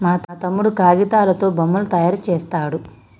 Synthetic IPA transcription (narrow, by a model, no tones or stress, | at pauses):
maːt̪ːt̪ɐmːuɽukaːɡit̪aːlɐt̪o̞ːbɐmːulut̪ɐjaːɾt͡ʃɛːst̪aːɽu